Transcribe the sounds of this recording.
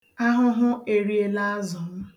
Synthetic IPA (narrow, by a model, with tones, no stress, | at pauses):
a˦ɦʊ˦ɦʊ˦e˨ɾi˨e˨la˦a˦zɔ˨m̩˦